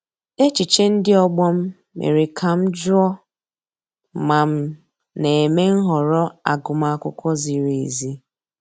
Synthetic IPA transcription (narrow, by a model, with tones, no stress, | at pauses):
e˦t͡ʃi˨t͡ʃe˦n̩˦dɪ˦ɔ˦ɡ͡bɔ˦m̩˦ | mḛ˨ɾi˨kʰa˨m̩˦d͡ʒɔ˦ | ma˨m̩˦ | ne˨e˨me˦ŋ̩˦ɦɔ˨ɾɔ˦a˨ɡʊ˨ma˨a˨kʷʊ˦kʷɔ˦zi˨ɾi˨zi˦